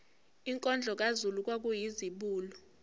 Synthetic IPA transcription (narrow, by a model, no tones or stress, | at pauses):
iŋkʼɔnd͡ɮʱɔk̬azuluk̬ʼwak̬ujiziɓuːlɔ